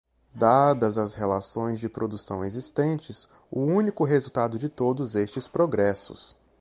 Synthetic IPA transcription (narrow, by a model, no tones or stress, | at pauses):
d̪ad̪ɐzɐshelasõj̃zd͡ʒɪpɾod̪usɐ̰̃w̃ezist̪ẽnt͡ʃɪs | ʊũnikʊɦezuwt̪ad̪ʊd͡ʒɪt̪od̪ʊzest͡ʃɪspɾoɡɾɛsʊ̰s